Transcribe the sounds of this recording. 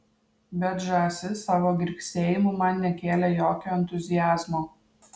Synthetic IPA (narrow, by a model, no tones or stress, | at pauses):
bʲɛt̪ʒɑːsʲɪsɑːʋoːɡʲɪɾʲkʲsʲeːjɪmʊmɐnnʲɛkʲeːlʲɛjoːkʲoːɛnʲt̪ʊzʲɪjæːzmoː